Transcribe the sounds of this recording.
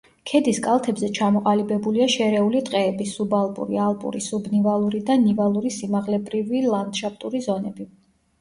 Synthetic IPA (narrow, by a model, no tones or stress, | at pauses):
kʰɛd̪iskʼalˠt̪ʰɛbzɛt͡ʃʰamɔqʼalibɛbuliaʃɛɾɛulit̪ʼqʼɛːbisubalˠpʼṵɾialˠpʼṵɾḭsubnivalˠuɾid̪anivalˠuɾisimaʁlɛbɾivilˠand̪ʃapʰt̪ʼuɾizɔnɛbi